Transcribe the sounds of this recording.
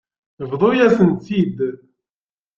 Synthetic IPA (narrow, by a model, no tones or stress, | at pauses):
vðˤojæsənt̪id̪